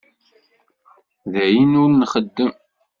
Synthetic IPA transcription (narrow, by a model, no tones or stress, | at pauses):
ðæjinʊɾnχəd̪ːəm